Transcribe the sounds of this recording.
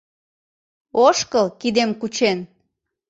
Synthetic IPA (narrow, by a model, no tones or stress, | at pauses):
oʃkəlkid̪emkut͡ɕen